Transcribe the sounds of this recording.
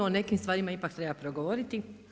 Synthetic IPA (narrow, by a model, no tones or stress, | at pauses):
oone̞kimst̪ʋaːɾimaipakt̪ɾebapɾoɡoʋoɾit̪i